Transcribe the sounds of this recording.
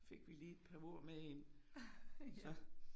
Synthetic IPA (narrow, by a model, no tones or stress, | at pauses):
fe̝ɡ̥ʋiliːe̝d̥̚pʰɑ̈o̝ɐ̰mee̝n | sɒ̽